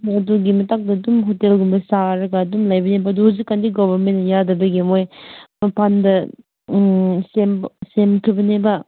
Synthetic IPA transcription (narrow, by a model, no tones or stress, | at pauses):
ɐduɡimɐtak̚dɐːdumɦotelɡumbɐsaɾɐɡaːdumlajbɐnebɐːduhuzikːandiɡobʱɐɾmenːɐjadɐbɐɡimojmɐpandɐ | semsemkʰibɐnebɐ